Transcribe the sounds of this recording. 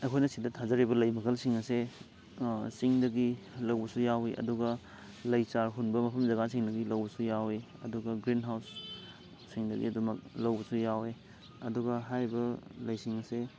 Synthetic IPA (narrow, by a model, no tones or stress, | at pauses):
ɐjkʰojnɐsidɐtʰazɐɾibɐlɐjmɐkʰɐlsiŋɐse | siŋdɐɡilɐwbɐsujawiʔɐ̰duɡɐ | lɐjt͡ʃaɾɦunbɐmɐpʰɐmzɐɡasiŋdɐɡilɐwbɐsujawe | ɐ̰duɡɐɡɾinɦawsː | iŋdɐɡḭɐdumɐk̚lɐwbɐsujawe | ɐduɡɐɦajbɐlɐjsiŋɐse